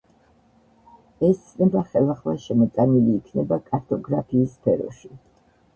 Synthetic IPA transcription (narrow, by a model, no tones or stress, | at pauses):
ɛst̪sʰnɛbaχɛlˠaχlaʃɛmɔt̪sʼaniliːkʰnɛbakʼaɾt̪ʰʼɔɡɾapʰiːspʰɛɾɔ̰ʃi